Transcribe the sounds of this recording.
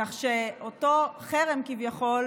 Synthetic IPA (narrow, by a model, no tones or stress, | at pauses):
aχʃeoto̞χeʁemkivjaχo̞l